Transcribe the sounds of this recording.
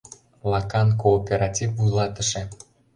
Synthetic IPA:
lˠɑkɑnkoːpʲeɾɑtʲifulˠɑt̪ə̆ʃĕ

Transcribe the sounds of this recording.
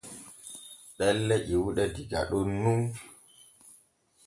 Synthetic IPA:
ɓɛlːɛʔiwuɗɛdiɡa̰ɗunːun

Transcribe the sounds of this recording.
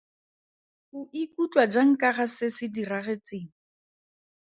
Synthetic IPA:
χʊʔikut͡ɬwad͡ʒaŋ̩kaɣasɪsɪdiraɣet͡seːŋ̩

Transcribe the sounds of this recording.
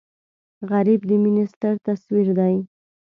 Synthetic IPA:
ɣaɾibd̪əmɪnist̪əɾt̪aswiɾd̪aj

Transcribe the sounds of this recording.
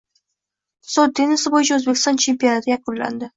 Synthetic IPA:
sot̪̚ːenɪsɪbojɪt͡ʃʰaɵzbe̞kʲɪ̥st̪ɒnt͡ʃʰe̞mpionat̪ʰɪjakʊlːa̰nd̪ɪ

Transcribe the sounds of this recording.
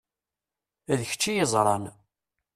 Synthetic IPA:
æðəçə̥t͡ʃːijəzˤɾˤɑn

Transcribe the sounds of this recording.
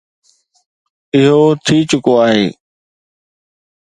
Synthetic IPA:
ɪɦot̪ʰiːt͡ɕʊkoaːɦḛː

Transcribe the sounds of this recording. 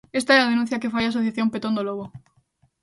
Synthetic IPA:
est̪aɛað̞enũn̟θjakefajas̬oθjaθjompet̪ond̪oloɣo

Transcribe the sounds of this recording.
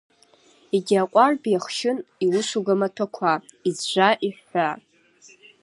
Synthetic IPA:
iɡʲaqʷʼarbjaχʃɪniwʊʃʷuɡamatʰakʷʰaizʒʷaʔiħʷa

